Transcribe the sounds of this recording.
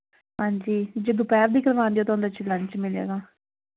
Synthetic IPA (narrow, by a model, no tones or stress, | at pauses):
ɦãːɲd͡ʒiːd͡ʒəd̪ũːpɛːɾd̪iːkəɾʋãːnd̪eːoːt̪ʊɦʊ̃nd̪at͡ʃilə̃ɲt͡ʃmɪlḛːɡaː